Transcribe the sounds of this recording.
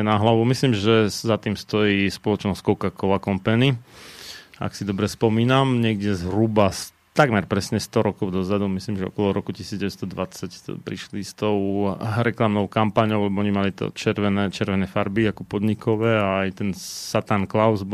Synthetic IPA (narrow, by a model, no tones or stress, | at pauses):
ɛnaɦlaʋumislimʒɛzat̪iːmst̪ɔjiːspɔlɔt͡ʃnɔskɔʊkakɔʊakɔmpɛni | a̰ksid̪ɔbɾɛspɔmiːnamɲɪɛɡɟɛzɦɾubas | t̪aɡmɛɾpɾɛsɲɛst̪ɔɾɔkɔʊd̪ɔzad̪umislimʒɛɔ̰kɔlɔɾɔkucisiːd͡zɟɛʋɛd̪st̪ɔd̪ʋat͡sacpɾiʃlist̪ɔʊɾɛklamnɔʊkampaɲɔʊlɛbɔɔɲimalit̪ɔ̰t͡ʃɛɾʋɛnɛːt͡ʃɛɾʋɛnɛfaɾbiakɔpɔd̪ɲikɔʋɛːaːjt̪ɛnsat̪anklaʊzb